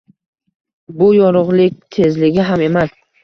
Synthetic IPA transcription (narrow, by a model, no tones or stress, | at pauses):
bʊjɒɾʊʁlɪkʲt̪ʰe̞zlɪɡʲɪɦame̞mas